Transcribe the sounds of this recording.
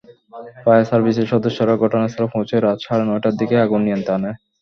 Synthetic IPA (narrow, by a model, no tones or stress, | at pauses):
pajasaɾbiseɾʃɔd̪oʃːoɾaɡʱɔʈonaseɾofõt͡ɕeɾad̪ʃʰaɾenɔjʈaɾd̪ikeaɡunːiant̪ane